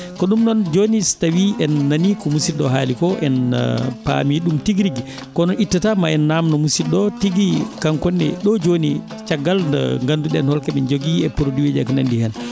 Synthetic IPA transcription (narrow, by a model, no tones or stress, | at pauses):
kɔɗumnɔnd͡ʒonistawiɛnːanikɔmusiɗɔɦaːlikɔʔɛn̰pa̰miɗumtiɡɾiɡi | kɔnɔʔitːatamaɛnːamnɔmusiɗɔtiɡikaŋkɔnːɛ̰ɗɔd͡ʒoni | t͡ʃaɡːal̰ŋɡanduɗɛnhɔlkɛmɛnd͡ʒoɡiɛpuɾodiwed͡ʒakna̰ndihɛn